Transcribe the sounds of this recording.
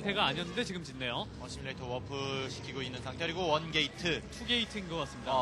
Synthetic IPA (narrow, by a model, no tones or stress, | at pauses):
tʰe̞ɡaːɲiʌnːɯnde̞t͡ɕiɡɯmt͡ɕinːe̞joʌɕʰimiɾetʰowʌpʰɯɕʰi̥kʰiɡoinːɯnsʰaŋtʰeɾiɡowʌnɡe̞itʰɯtʰuɡe̞itʰɯinɡʌk͈as͈ɯmɲida